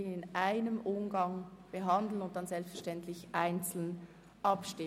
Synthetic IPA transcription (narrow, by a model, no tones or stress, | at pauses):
ɪnʔaɪnəmʔʊmɡɑŋb̥əɦɑndl̩nʊntd̥ɑnzɛlpstfɛɐʃtɛntʰlɪçʔaɪnt͡sl̩n | ʔɑpʃtɪ